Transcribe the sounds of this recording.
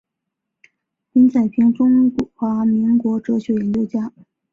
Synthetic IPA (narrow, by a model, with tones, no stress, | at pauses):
pi˧˥nt͡sa˨˩ɪpʰi˧˥ŋʈ͡ʂʊ˥ŋxwa˧˥mi˧˥ŋkwɔ˧˥ʈ͡ʂɤ˧˥ɕɥɛ˧˥jɛ˧˥nt͡ɕjo˥˧ʊt͡ɕja˥